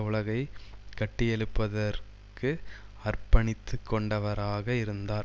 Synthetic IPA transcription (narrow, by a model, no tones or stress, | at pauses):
ʊɭɐɣɐɪkɐʈːɪjɛɭɯpːɐðɐɾ | kɯɐrpɐɳɪt̪ːɯkːɔɳɖɐʋɐɾaːɣɐɪɾɯnd̪aːɾ